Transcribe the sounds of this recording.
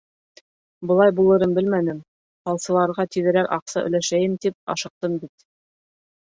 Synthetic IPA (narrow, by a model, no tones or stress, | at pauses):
bɤ̆lˠɑjbulˠɤ̆ɾɤnbɘlmænɘm | qɑlˠsɤ̆lˠɑɾʁɑt̪iðɘ̆ɾækɑqsɑʔɵ̰̆læʃæjɘmt̪ip̚ɑ̰ʃɤ̆q̚t̪ɤmbit̪̚